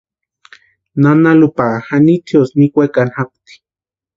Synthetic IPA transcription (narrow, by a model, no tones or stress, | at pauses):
nanalupaxanit͡sʰiosnikʷekanhak̚t̪i̥